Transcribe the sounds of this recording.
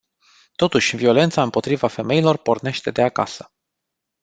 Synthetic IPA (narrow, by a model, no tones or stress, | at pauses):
t̪o̞t̪uʃʲvio̞le̞nt̪saɨmpo̞t̪ɾivafe̞me̞ilo̞rpo̞rne̞ʃt̪e̞d̪e̞aka̰sə̥